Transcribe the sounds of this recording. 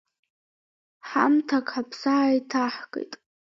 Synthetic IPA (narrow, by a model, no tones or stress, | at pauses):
ħa̰mtʰakʰʼħapʰsaːjtʰaħkʼḛjtʼ